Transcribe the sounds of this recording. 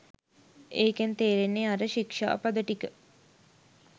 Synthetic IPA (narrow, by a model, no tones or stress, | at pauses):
eːkent̪eːɾenːeaɾəʃikʂa̰ːpad̪əʈikə